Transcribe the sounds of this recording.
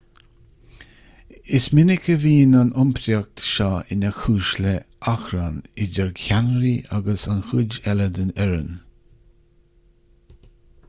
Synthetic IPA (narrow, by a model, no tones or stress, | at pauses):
ɪsmɪnɪkʰəviːnanʔʊmpʰɾjak̚t̪ʃaɪnaxuːʃləʔaxɾanɪd͡ʒɛɹkʰanɾiʔaɡəsanxʊd͡ʒɛləd̪ənɛɾə̰n